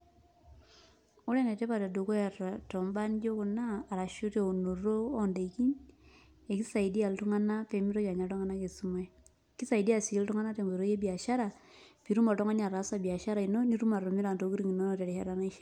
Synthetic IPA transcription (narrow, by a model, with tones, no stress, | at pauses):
o˦le˦ne˨te˦pa˨ta˨do˨ko˦a˨ttɔ˨mba˦nd͡ʒo˦ku˨naː˦˨ɾa˨ʃu˦te˦˨o˨no˨roː˦nde˨ki˦ɲ | e˨ki˦sa˨i˨di˦a˨ltu˦ŋa˦na˦pe˨mi˦ɾo˦t͡ʃa˨ɲa˨tɔ˦ŋa˦na˦t͡ʃe˨su˨˦ma˦˨ | ki˦sa˨i˨di˦a˨si˨ki˦ltu˦ŋa˦na˦te˨mbe˨ɾo˦je˦bi˨a˨ʃa˦ɾa˨pi˨ɾu˦ma˨tɔ˦ŋa˦na˨ɾa˨˦sa˨bi˨a˨ʃa˦ɾa˨i˨no˦ni˦ɾu˦ma˨ɾo˨mi˦ɾa˨nto˨ki˦ɾi˦ŋi˨no˦no˨te˨ɾe˨ha̰˦ɾa˦na˦i˦ʃ